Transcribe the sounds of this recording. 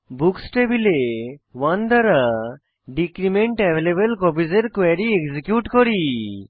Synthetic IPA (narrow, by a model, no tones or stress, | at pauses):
buksʈebilewand̪ʱaɾa | ɖikɾimeɳʈɛʋelebelkɔbizeɾkwɛɾiekzikjuʈkɔɾi